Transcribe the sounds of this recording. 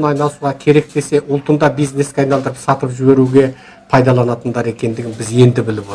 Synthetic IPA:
nɑjnɑlˠəsuʁɑkʲʰe̞ɾe̞k̚t̪e̞se̞ʔʊlˠt̪ənd̪ɑbijzne̞skʲeɑjnɑlˠd̪əɾəpsɑt̪əpʒɪbe̞ɾuɡʲe̞ | pʰɑjd̪ɑlˠɑnɑt̪ənd̪ɑɾe̞kʲe̞nd̪ɪɡʲɪnbɪze̞nd̪ɪbɪlɪpo

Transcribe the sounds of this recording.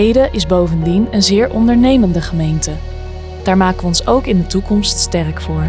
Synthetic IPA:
ejdəʔɪzbowvəndinənzɪːɹʔɔndəɹnejməndəχəmejntə | d̥aːɹmaːkəʋəɔnsowkɪndətukɔmststɛrkfʊːɹ

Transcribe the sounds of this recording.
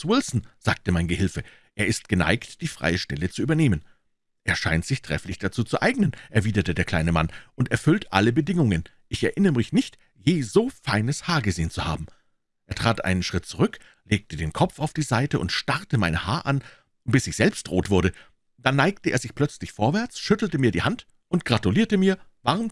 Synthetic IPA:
wɪlsn̩z̥aːk̚təmaɪnɡəhɪlfə | ʔeːɐɪst̚ɡ̥əna̰ɪktd̥iːfʁ̥a̰ɪəʃtɛ̰lət͡suʔyːbɐneːmən | ʔeːɐʃa̰ɪntz̥ɪçtʁ̥ɛ̰flɪçd̥at͡suːt͡suʔaɪɡnənʔɛɐviːdɐtədeːɐkʰl̥aɪnəmanʔʊntɛɐfʏltʔa̰ləbədɪŋʊŋən | ʔɪçɛɐʔɪnəʁəmɪçnɪçt | jeːzoːfaɪnəshaːɐɡəzeːənt͡suha̰ːbm̩ | ʔeːɐtʁ̥aːtʔa̰ɪnənʃʁ̥ɪt̚t͡suʁʏk | leːk̚tədeːnkʰɔp͡faʊfd̥iːzaɪtəʔʊ̰ntʃtaʁtəmaɪnəhaːɐʔan | b̥ɪsɪçz̥ɛlpstd̥ʁoːtv̥ʊɐɾə | d̥anːaɪk̚təʔeːɐzɪçpl̥œt͡slɪçfoːɐvɛɐt͡sʃʏtl̩təmiːɐdiːhant | ʔʊntɡ̥ʁatuliːɐtəmiːɐvaʁm

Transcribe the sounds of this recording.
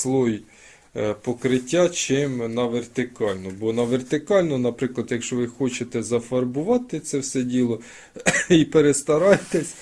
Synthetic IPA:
slˠɔj | pɔkɾɪtʲːat͡ʃɪmnɐʋert̪ɪkɑlʲnɔbɔnɐʋert̪ɪkɑlʲnɔnɐpɾɪklˠɐd̪jɐkʃt͡ʃɔʋɪxɔt͡ʃet̪ɛzɐfɐrbʊʋɑt̪ɪt̪sɛwsɛdʲilˠɔ | ipeɾest̪ɐɾɑjet̪esʲ

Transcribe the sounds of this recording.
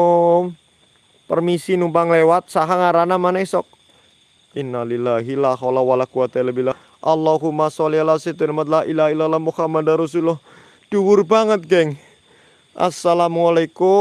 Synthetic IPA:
m | pərmisinumpaŋlewat̪̚saɦaŋaɾanamanɛsɔk̚ | ʔinːalilaɦilaxɔlawalakuwat̪aləbila | ʔalːaɦumasɔlialased̪ɛnmat̪̚lailahilalamuhamad̪aɾɔsulɔh | d̥uwʊrbaŋət̪̚ɡɛŋ | ʔa̰salamalaiku

